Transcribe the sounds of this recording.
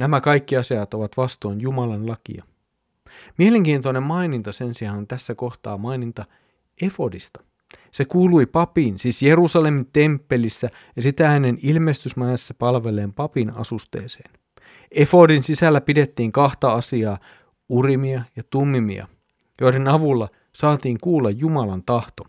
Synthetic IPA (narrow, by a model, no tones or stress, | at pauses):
næmækɑjkːiɑsiɑt̪o̞ʋɑt̪ʋɑst̪o̞jnjumɑlɑnlɑkḭɑ | miele̞ŋk̟iːnt̪one̞mmɑinint̪ɑse̞nsiɑnont̪æsːæko̞xt̪ɑ̰ːmɑinint̪ɑ | e̞fo̞dist̪ɑ̥ | se̞kuːlujpɑpiːnsiːsje̞ɾusɑle̞mint̪e̞mpːe̞lisːæ | jɑsit̪æhænenilme̞st̪ysmɑjɑsːɑpɑlʋe̞le̞ːmpɑpinɑ̰sust̪ḛːsḛːn | e̞fo̞dinsisælːæpide̞t̪ːiːŋkɑht̪ɑɑsiɑː | urimiɑjɑt̪umːimḭɑ̰ | jo̞idenɑʋulːɑ | sɑːt̪iːŋkuːlːɑjːumɑlɑnt̪ɑht̪o̞